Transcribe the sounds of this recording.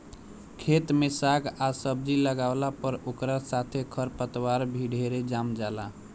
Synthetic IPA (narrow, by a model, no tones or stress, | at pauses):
kʰet̪mesaɡasəb̚d͡ʒiləɡaʊlapəɾokɾasat̪ʰekʰəɾpət̪waɾbʱiɖʱeɾed͡ʒamd͡ʒala